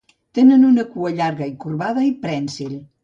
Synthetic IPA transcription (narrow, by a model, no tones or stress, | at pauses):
t̪enənunəkuɐʎaɾɣɐikuɾβaðɐipɾɛnsil